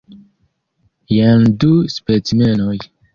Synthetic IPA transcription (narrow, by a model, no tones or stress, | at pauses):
janduspet͡simenoj